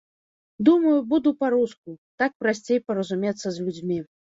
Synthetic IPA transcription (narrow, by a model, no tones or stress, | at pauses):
d̪umɐjubud̪upaɾuskut̪ak̚pɾasʲt͡sʲejpɐɾɐzumʲet̪sːɐzʲlʲud͡zʲmʲi